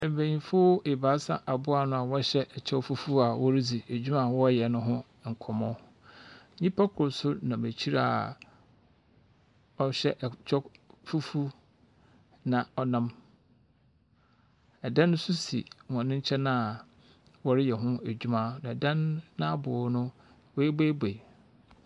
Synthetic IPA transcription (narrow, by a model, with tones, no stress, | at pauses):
ɛ̃˨bæ̃˨ɲĩ˨fʊ˦e˨ba˨˦sã˦ʔa˨bʊ˦a˨nʊ̃˦a˨wɔ˦ɕɛ˦ʔɛ˨t͡ɕʰɛ˦fu˦fu˦a˨wɔ˦ɾɪ˦d͡zi˨æ˨d͡ʑᶣu˦mã˨wɔ˦jɛ˨nʊ̃˦ɦʊ̃˦ | ŋ̩˨kʰɔ˨mɔ̃˦ | ɲĩ˦pʰa˦kʰʊ˨ɾʊ˨sʊ˦nã˨mæ˨t͡ɕʰi˦ɾa˨ | ɔ˦ɕɛ˦ʔt͡ʃʰɔ˦fu˦fu˦ | nã˨ɔ˦nã˦m | ɛ˨dã˦ñː˦sʊ˦sḭ˨wɔ̃˨nʊ̃˦ɲ̩˦t͡ɕʰɛ˦nã˦˨ | wɔ˦ɾɪ˦jɛ˨ɦʊ̃˦æ˨d͡ʑᶣu˦mã˦nʊ̃˨ɛ˨dã˦nːã˦a˦bʊ˨˦nʊ̃˦ | wɔ˦e˦be˦be˨